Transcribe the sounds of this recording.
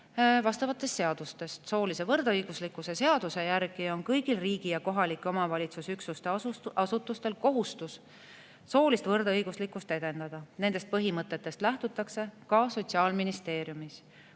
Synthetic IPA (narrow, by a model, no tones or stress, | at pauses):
vɑst̪ɑvɑt̪ːˑest̪se̞ɑd̪̥ust̪e̞st̪so̞ːlise̞vɤrd̪̥ɤjɡ̥uslikːˑuse̞se̞ɑd̪̥use̞jæɾɡ̥io̞nkɤjɡ̥ilriːɡ̥ijɑko̞ɦɑlikːˑeo̞mɑvɑlʲit̪susyksust̪eɑsut̪ːˑust̪e̞lko̞ɦust̪us | so̞ːlist̪vɤrd̪̥ɤjɡ̥uslikːˑust̪e̞d̪e̞nd̪ɑd̪̥ɑne̞nd̪̥est̪̚pɤɦimɤt̪ːˑe̞t̪ːˑe̞st̪læht̪ut̪ːˑɑkse̞kɑso̞t̪ʲsiɑːlminist̪e̞ːɾjumis